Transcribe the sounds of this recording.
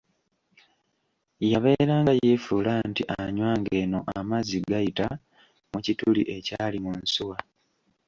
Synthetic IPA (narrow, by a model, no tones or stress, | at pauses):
jaβe̞ːɾaːŋɡajeːfulantiʔaɲwaːŋɡe̞ːno̞ʔamaziɡajita | mucitulḭʔe̞caːlimunsuwa